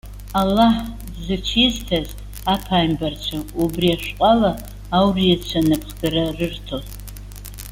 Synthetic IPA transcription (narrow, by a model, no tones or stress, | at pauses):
alːaħ | zat͡ʃʰiztʰaz | apʰaːjmbart͡ɕʷʰaubriaʃᶣqʼalaː | wrijat͡ʃʷʰanɨpʰχɡaɾarɨrtʰo